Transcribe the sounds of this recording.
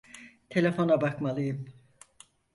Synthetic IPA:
t̪ʰe̞lʲefo̞nabakmalˠɯjɯm

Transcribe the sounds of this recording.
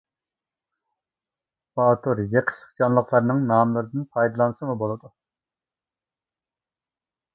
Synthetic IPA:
bɑt̪ʰuɾjeqʰə̥ʃə̥χd͡ʒɑnlˠəqlˠɑɾnɨŋnɑmlˠɨɾɨd̪ɨnpʰɑjd̪ɨlˠɑnɨsɨmubolˠɨd̪u

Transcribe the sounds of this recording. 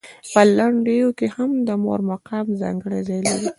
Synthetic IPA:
pəlaɳɖejokehamd̪əmo̰ɾmaqɑmzɑ̰ŋɡəɽa̰zɑjlaɾi

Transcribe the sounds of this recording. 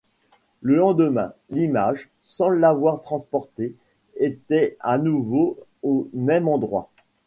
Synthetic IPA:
ləlɑ̃d̪əmɛ̰̃limaʒ | sɑ̃ləlavwaʁt̪χɑ̃spɔʁt̪e | et̪ɛanuvoomɛmɑ̃d̪ʁwa̰

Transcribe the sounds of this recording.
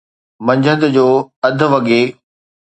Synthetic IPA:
mɐ̃ɲd͡ʑʱə̃nd̪d͡ʑoːɐd̪ʱʊ̆ʋɐɠe

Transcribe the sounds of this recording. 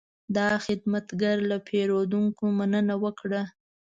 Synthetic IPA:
d̪ɑxɪd̪mat̪ɡaɾlapʰeɾod̪uŋkomanənawəkɽa

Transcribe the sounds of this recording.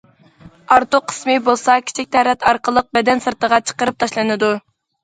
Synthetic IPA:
ɑɾt̪oqʰːə̥smɨbolˠsɑkʲʰi̥t͡ʃʰik̚ʲt̪ʰɛːɾɛt̪ʰɑɾqəlˠəq̚bɛd̪ɛnsɨɾt̪əʁɑt͡ʃʰə̥qəɾɨp̚t̪ʰɑʃlˠɨnɨd̪u

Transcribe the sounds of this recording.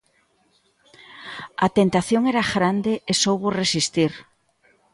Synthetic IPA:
at̪ent̪aθjoŋeɾaɣɾand̪eesowβoresist̪iɾ

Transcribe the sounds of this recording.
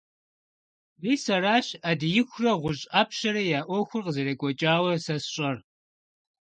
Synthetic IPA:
riːsɐraːɕaːdɨjɪxʷrɐʁʷʊɕʼaːpʰʃɐɾɐjaːʔʷɔxʷʊrqəzɐɾeɡʷʼɔt͡ʃʼaːwɐsɐsɕʼɐr

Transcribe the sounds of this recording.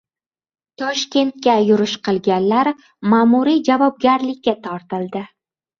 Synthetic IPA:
t̪ʰɒʃkʲe̞nt̪̚kʲajʊɾɪʃqʰɨlˠɡʲanlaɾ | maːmuɾid͡ʒavɒb̚ɡʲaɾlɪkʲːat̪ʰɒɾt̪ɪld̪ɪ

